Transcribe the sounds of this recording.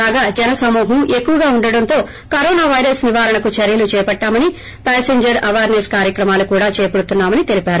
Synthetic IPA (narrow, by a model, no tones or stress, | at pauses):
aːɡaːd͡ʒɛnɐsɐmuːɦɐme̞kːuʋɐɡaːuɳɖɐɽɐnt̪o̞ː | kɐɾɔːnaːʋɐjɾɐsniʋaːɾɐɳɐkut͡ʃɐɾjɐlut͡ʃɛːɐpɐʈːaːmɐni | paːseɲd͡ʒɐɾɐʋaːɾneskaːɾjɐkɾɐmaːlukuːɽaːt͡ʃeːpɐɽut̪unːaːmɐnit̪e̞lipaːɾu